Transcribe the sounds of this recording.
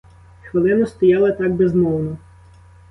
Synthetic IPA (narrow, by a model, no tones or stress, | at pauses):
xʋɪlˠɪnɐst̪ɔjɑlˠɐt̪ɑɡ̚bezmɔwnɔ